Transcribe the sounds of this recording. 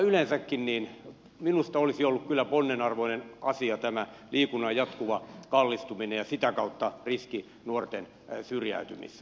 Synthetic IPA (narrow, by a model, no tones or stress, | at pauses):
ylensækːinniːn | minust̪ɑolisiolːukkylːæponːenɑrʋoinenɑsiɑt̪æmæliːkunɑjjɑt̪kuʋɑkɑlːist̪uminejɑsit̪ækɑut̪ːɑriski | nuort̪en | syrjæ̰yt̪y̰mḭs